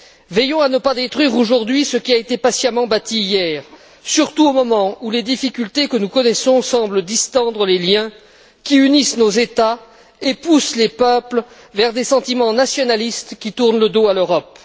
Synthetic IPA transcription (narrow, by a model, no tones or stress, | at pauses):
vɛjɔ̃anəpad̪et̪χwɥiʁoʒuʁd̪ɥisəkʲiaet̪epasjamɑ̃bat̪iːjɛːʁ | syʁt̪uomɔmɑ̃uled̪ifikʲylt̪ekənukɔnɛsɔ̃sɑ̃bləd̪ist̪ɑ̃d̪ʁəleljɛ̃ | kʲiynisnozet̪a | epuslepœpl | vɛʁd̪esɑ̃t̪imɑ̃nasjɔnalist̪kʲit̪uʁnləd̪oaløʁɔp̚